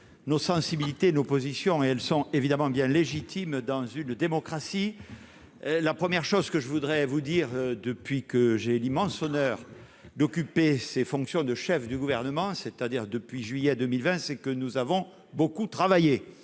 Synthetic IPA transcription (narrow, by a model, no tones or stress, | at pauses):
nosɑ̃sibilit̪eːnopozisjɔ̃eɛlsɔ̃evid̪amɑ̃bjɛ̃leʒit̪ʰimd̪ɑ̃zynd̪emɔkχasi | lapχəmjɛʁʃozkəʒəvud̪ʁɛvud̪iʁd̪əpɥikəʒelimɑ̃sɔnœʁ | d̪ɔkypesefɔ̃ŋksjɔ̃d̪əʃɛfd̪yɡuvɛʁnəmɑ̃set̪ad̪iʁd̪əpɥiʒɥijɛd̪əmilvɛ̃sɛkənuzavɔ̃ | bokut̪χavaje